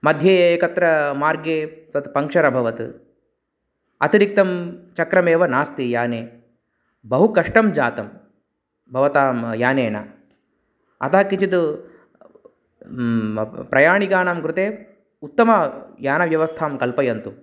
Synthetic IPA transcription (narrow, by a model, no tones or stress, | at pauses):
mɐd̪ʱjeːeːkɐt̪ɾɐmaːɾɡeːt̪ɐt̪pɐŋkʂɐɾɐbʱɐʋɐt̪ | ɐ̰t̪iɾik̚t̪ɐmt͡ʃɐkɾɐmeːʋɐnaːst̪ijaːneː | bɐɦukɐʂʈɐmd͡ʒaːt̪ɐm | bʱɐʋɐt̪aːmjaːneːnɐ̰ | ɐ̰t̪ɐɦɐkːit͡ʃit̪u | pɾɐjaːɳikaːnaːmkɾut̪eː | ut̪ːɐmɐjaːnɐʋjɐʋɐst̪ʰaːmkɐlpɐjɐnt̪u